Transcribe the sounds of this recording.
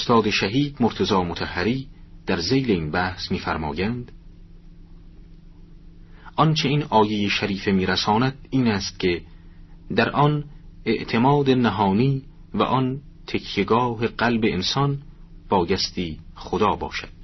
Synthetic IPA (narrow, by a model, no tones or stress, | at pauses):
ost̪ɒːd̪eʃæɦiːd̪moɾt̪ʰezɒːmot̪ʰæhːæɾiːd̪̥æɾzejleiːnbæhsmiːfæɾmɒ̰ːjænd̪ | ɒnt͡ʃʰe̞iːnɒːjejeʃæɾiːfe̞miːɾæsɒːnæd̪iːnæːst̪̚cʰe̞ | d̪æɾʔɒne̞ʔt̪ʰe̞mɒːd̪enæɦɒːniː | væ̰ʔɒn | t̪ʰekʰjeɡɒːɦe̞ɢælbe̞ensɒn | b̥ɒːjæst̪iːχod̪ɒːbɒ̰ːʃæd̪̥̚